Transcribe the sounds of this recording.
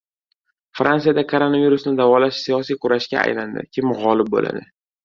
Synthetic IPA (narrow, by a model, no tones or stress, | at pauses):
fɾansijad̪akʰoɾo̞naviɾʊsnɪd̪avɒlaʃsijɒsijqʰʊɾaʃkʲa̰a̰jland̪ɪ̰kʲʰɪmʁɒlɪp̚bo̰la̰d̪ɪ